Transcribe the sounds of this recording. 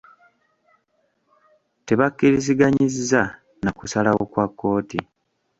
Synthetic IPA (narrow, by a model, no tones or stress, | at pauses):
te̞βakːiɾiziɡaɲiziza | nakusalawo̞kwakːo̞ːti